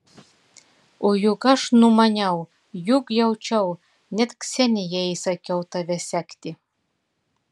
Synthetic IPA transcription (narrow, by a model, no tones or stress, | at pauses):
ojuɡɑʃnumɑnʲɛw | jukjɛwt͡ʃɛw | nʲɛt̪ksʲɛnʲijɛisɑkʲɛwt̪ɑʋʲɛsʲækt̪ʲi